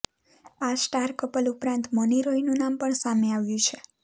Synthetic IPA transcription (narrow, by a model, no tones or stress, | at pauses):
asʈaɾkəpəlupɾãnt̪məniɾoinũnampəɳsameaʋjũt͡ʃʰe